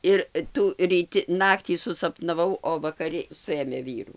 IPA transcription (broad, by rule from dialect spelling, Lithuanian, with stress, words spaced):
ˈɪr ˈtuː rʲiːˈtʲɪ ˈnɑːktʲiː sʊsɐpnɐˈʋɐʊ oː ʋɐkɐˈrʲɪ ˈsʊeːmʲeː ˈʋʲiːruː